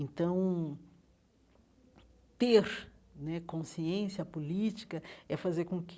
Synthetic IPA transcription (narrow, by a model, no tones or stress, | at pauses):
ẽnt̪ɐ̃w̃ | t̪eɾnɛkõsiẽsjɐpolit͡ʃi̥kɐɛfazeɾkõk